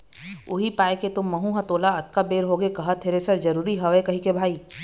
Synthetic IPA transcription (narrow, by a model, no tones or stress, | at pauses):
ʊɦipaːeket̪ʊmːɐɦũɦɐ̃t̪oːlaɐt̪̚kabeːɾɦoːɡekɐɦət̪ʰeːɾesɐɾd͡ʒɐɾuːɾiɦɐʋekɐɦĩkebʱaːiː